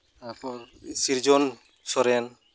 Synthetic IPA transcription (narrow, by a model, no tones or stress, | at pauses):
t̪aɾpɔɾsiɾd͡ʒɔn | sɔɾɛn